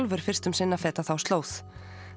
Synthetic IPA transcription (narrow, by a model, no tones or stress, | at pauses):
lvʏɾ̥fɪr̥st̪ʏmsɪnːafɛːt̪aθawst̪loːwθ